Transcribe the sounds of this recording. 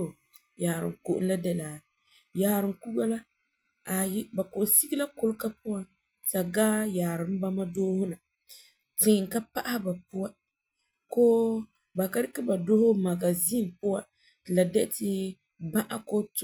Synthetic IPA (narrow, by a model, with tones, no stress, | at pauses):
jaː˨ɾɨ˨ko˨ʔʊ̰˦la˦dɛ˦laː˨ | jaː˨ɾɨ˨mku˦ɡa˦la˦ | a˨jɪ˦ba˨kʊ˨ʔsi˦ɡi˦la˦kʊ˦lka˦pʊ˦wa˦ | ta˨ɡaː˦jaː˨ɾɨ˨m˦ba˦ma˦doː˦hʊ˦na˨ | tɪ˨ŋ˨ŋ˨ka˦pa˦ʔa˦hba˨pʊ˦wa˦ | koː˦ | ba˨ka˦ɾɪ˦ka˦ba˨do˦hʊ˦ma˨ɡa˨zi˦n˨pʊ˦wa˦˨ | la˨dɛ˦tɪ˦ | ba˦ʔa̰˦ko˦t